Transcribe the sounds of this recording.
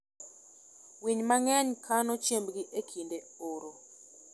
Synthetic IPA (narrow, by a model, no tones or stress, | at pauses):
wiɲmaŋɛɲkʰanɔt͡ʃembɡiʔekʰinde | oɾo